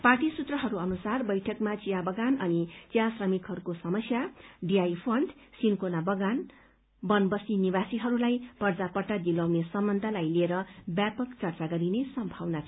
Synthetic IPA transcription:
parʈisut̪rʌɦʌɾuʌnusarbʌjʈʰʌkmat͡sijabʌɡanʌnit͡siasrʌmikɦʌɾukosʌmʌsjaɖiajpʰʌɳɖ | sinkonabʌɡan | bʌnbʌsinibasiɦʌɾulajpʌrd͡zapʌʈːad̪ilawnesʌmːʌnd̪ʱalajlieɾʌbjapʌkt͡sʌrt͡saɡʌɾinesʌmbʱawnat͡sʰ

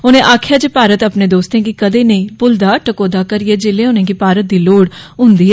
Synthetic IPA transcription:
ʊnẽːʔaːkʰjaːd͡ʒeːpaːɾət̪əpneːd̪oːst̪ẽːkikəd̪eːnəĩːpʊld̪aːʈəkoːd̪aːkəɾiɛːd͡ʒeːlẽːʊnẽːkipaːɾət̪̚d̪iːloːɽɦʊ̃nd̪iːɦɛ

